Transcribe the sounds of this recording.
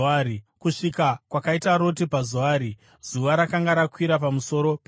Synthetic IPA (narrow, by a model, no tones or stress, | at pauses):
ikuʂikakwakaitaɾo̞tipazuaːɾi | z̥uʋaɾakaŋɡaɾakwiɾapamuso̞ɾo̞p